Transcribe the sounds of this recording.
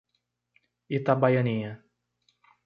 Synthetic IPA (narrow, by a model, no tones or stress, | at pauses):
it̪abajɐnĩɐ